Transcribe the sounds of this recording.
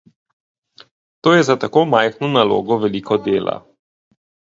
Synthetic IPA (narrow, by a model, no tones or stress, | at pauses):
t̪oːjɛzat̪akomajxnɔnalo̰ːɡɔvɛliːkʰɔd̪eːla̰